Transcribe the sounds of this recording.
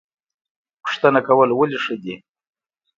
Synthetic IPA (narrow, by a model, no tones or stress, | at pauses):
pʊ̥ʂt̪ənakawəlwaliʂəd̪i